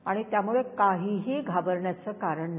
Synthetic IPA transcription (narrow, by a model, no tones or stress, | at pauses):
aɽ̃it̪jamuɭekaɦiɦiːɡʱabəɾɳjat͡səːkaɾəɳn